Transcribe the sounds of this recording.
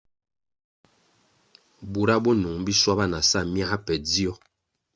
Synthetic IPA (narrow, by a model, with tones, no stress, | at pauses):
bu˨ɾa˦bɔ˦nu˨ŋbi˦swa˦ba˦na˨sa˦˨mja˦a˦pɛ˨d͡zi˦ɔ˦